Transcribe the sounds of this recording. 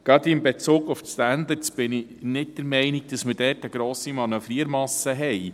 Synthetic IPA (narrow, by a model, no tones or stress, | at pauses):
ɡ̥ɾɑd̪ɪmbet͡suːɡʊfstænd̪əɾt͡sb̥ɪnɪnɪt̚d̥əɾmɛɪniɡ̥̚d̥ɑsməɾdɛːɾtəɡɾoːsimɑnəfɾiəɾmɑsəɦɛɪ